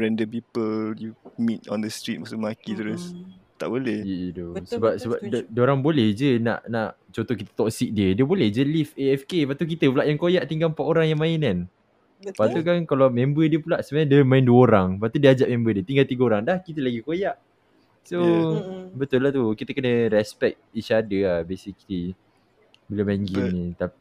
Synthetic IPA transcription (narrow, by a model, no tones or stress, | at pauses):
ɹɛndəp̬ipəljumit̚ɔ̃ndəst̪ɾit̚maʔsumakit̪ɾʊst̪a̰ʔbolɛhəidosəbap̚səbap̚ddəoɾaŋbolɛhd͡ʒəna̰ʔnaʔ | t͡ʃõnt̪ohkit̪ə̥t̪ɔksik̚diədiəbolɛhd͡ʒəlifeɛfkepat̪uk̬it̪əpulaʔjaŋkojaʔt̪iŋɡalmpaʔ̪oɾaŋjaŋmãɪnan | pat̪ukankalawmẽmbədiəpulaʔsəbajãdəmãɪnduəoɾaŋpat̪udiəad͡ʒaʔ̚mẽmbədiət̪iŋɡalt̪iɡəoɾaŋdahkit̪əlaɡikojaʔ | so | bət̪ʊlːaht̪ukit̪əkənəɾɛspɛk̚t̪it͡ʃadəabesikli | bəlemaŋɡinĩt̪api